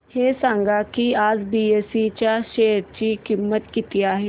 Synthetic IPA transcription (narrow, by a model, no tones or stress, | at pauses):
hesãŋɡakiːad͡zbiesit͡ɕjaɕeɾt͡ɕiːkimːət̪kit̪iːaɦe